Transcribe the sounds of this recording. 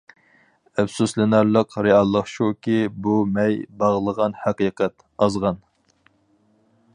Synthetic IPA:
æbsuslɪnæɾlˠəqɾeɑlˠːəχʃukʲibumɛjbɑʁlˠəʁɑnhæqiqɛt̪ | ɑzʁɑn

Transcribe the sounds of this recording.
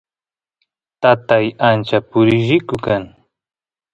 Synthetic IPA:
t̪at̪ajant͡ʃapʊɾɪʒɪkʊkaŋ

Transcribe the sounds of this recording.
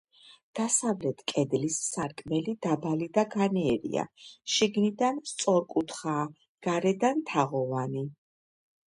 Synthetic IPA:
d̪̥asavlɛt̪ʰkʼɛd̪lisːaɾkʼmɛlid̪abalid̪aɡaniɛɾḭa̰ʃiɡnid̪anst̪sʼɔɾkʼut̪ʰχaː | ɡ̥aɾɛd̪ant̪ʰaʁɔvani

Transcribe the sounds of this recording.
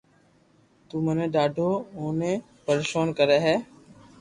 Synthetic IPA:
t̪uːmənẽːɗaːɖʱoːoːnẽː | pəɾʃoːnkəɾeːɦɛː

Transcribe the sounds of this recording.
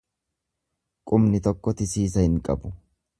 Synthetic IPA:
kʼʊmnɪt̪ɔkːɔt̪ɪsiːs̬ɐhɪŋkʼɐ̰bʊ

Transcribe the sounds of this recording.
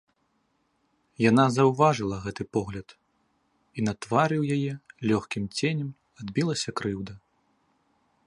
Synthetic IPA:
janazɐwvaʐɨlˠɐɣɛt̪ɨpɔɣlʲɐt̪ | inɐt̪vaɾɨwjajɛlʲɔxkʲimt͡sʲenʲɛm | ad̪bʲilˠɐsʲɐkɾɨwd̪ɐ

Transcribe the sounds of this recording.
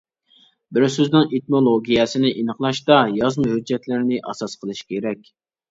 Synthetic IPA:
bɪɾsyznɨŋet̪̚molˠoɡʲijɛsɪnɪʔinəχlˠɑʃt̪ɑjɑzmɨɦyd͡ʒːɛt̪lɪɾnɪʔɑ̰sɑsqʰəlˠɨʃkʲʰeɾɛkʲ

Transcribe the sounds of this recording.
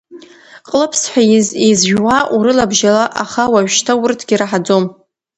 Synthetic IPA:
qʼlɨpʰsħʷᶣajɪzezʒᶣwaʔuɾɨlabʒalaʔaχawaʒᶣʃtʰawʊrtʰɡʲiraħad͡zom

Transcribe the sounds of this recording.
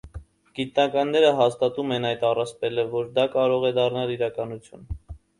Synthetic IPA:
ɡ̥it̪nɑkɑnːɛɾəɦɑst̪ɑt̪umɛnɑjt̪ɑrɑspɛləvɔɾd̪ɑkɑɾɔʁɛd̪ɑrnɑliɾɑkɑnut͡sʰjun

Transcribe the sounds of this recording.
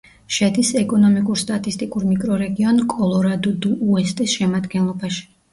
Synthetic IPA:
ʃɛd̪isɛkʼɔnɔmikʼuɾst̪ʼat̪ʼist̪ʼikʼuɾmikʼɾɔɾɛɡiɔnkʼɔlˠɔɾad̪ɔd̪uːɛst̪ʼisʃɛmad̪ɡɛnlˠɔbaʃi̥

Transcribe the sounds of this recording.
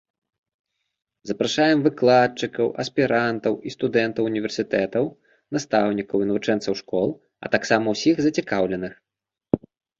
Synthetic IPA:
zɐpɾaʂajɛmvɨklˠat͡ʂɨkɐwʔɐspʲiɾant̪ɐwist̪ud̪ɛnt̪ɐwunʲivʲɛrsʲit̪ɛt̪ɐw | nast̪awnʲikɐwinɐvut͡ʂɛnt̪sɐwʂkɔlˠ | ɐ̰t̪aksamɐwsʲiɣzɐt͡sʲikawlʲɛnɨx

